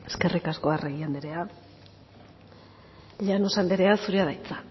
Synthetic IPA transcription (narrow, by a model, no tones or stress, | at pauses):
e̞̥ske̞rikaskoareɣiand̪iɾe̞a | ʎeanosand̪iɾe̞asuɾiaðajt͡sḁ